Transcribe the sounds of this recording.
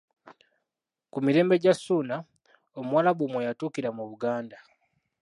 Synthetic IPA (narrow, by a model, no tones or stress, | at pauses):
kumiɾe̞ːmbe̞ɟasuːna | omwaːlaβumwejatuːkiɾamuβuɡaːnda